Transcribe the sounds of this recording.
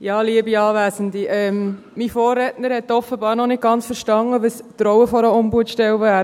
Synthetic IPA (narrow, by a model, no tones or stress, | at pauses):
jɑːliəbiɑːʋæːsənd̪iʔɛːm | mifoːrːɛtnəɾhɛtːɔfəbɑːɾnɔnɪt̚ɡ̥ɑnt͡sfəɾʃtɑŋəʋəst̪ɾɔwəfɔɾəʊmbuətʃtɛwvæːɾ